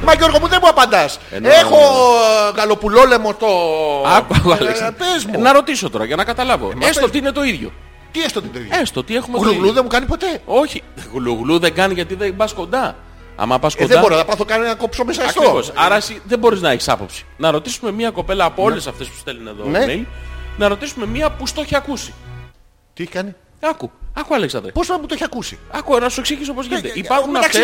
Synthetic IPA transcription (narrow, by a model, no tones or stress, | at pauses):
mɐʝo̞ɾɣomuðemuɐpɐnd̪ɐsḛnexo̞ | ɣɐlo̞pulo̞lemost̪oɐkɐoɐlspezmnɐɾo̞t̪iso̞t̪o̞ɾɐʝɐnɐkɐt̪ɐlɐvo̞̰mesot̪iine̞t̪o̞iðʝo̞̰ | t̪iest̪ot̪inet̪oḭest̪ot̪ie̞xumeɣluɣluðemukɐnipo̞t̪e̞o̞çiɣluɣluðeɡɐnʝɐt̪iðebɐsko̞nd̪ɐ | ɐ̰mɐpɐskoðeɐboɾinɐɐpɐθokɐnenɐkopsomesɐɐkt̪ɾoɣo̞sɐɾɐesiðebo̞ɾiznɐeçi̥sɐ̰po̞̰psi̥nɐɾo̞t̪isume̞mɲiɐko̞pe̞lɐːpoo̞le̞sɐft̪e̞spu̥st̪e̞lune̞̰ðo̰nemelnɐɾo̞t̪isume̞miɐpust̪o̞çiɐkusi̥ | t̪ieçi̥kɐni | ɐkuɐkuɐleksɐnd̪ɾɐ̰posenput̪oeçiɐkusḭɐkunɐsue̞ksiʝis̬o̞pozʝinet̪eipɐɾxunɐfe